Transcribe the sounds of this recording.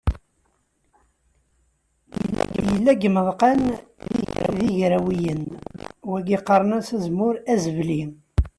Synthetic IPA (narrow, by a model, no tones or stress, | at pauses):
j̰l̰ːjəlːæɡəməðˤqɑnðḭðiʝɾæwijənwæɡiqːərˤənæsæzmʊɾæzəvli